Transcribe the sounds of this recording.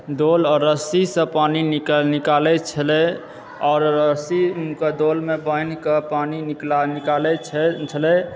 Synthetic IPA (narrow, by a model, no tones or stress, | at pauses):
d̪olɔɾəsisə̃panininikalɛt͡ʃʰəlɛ | ɔːɾəsiunkəd̪olmebəjnkəpaniniknikalɛt͡ʃʰt͡ʃʰəlɛ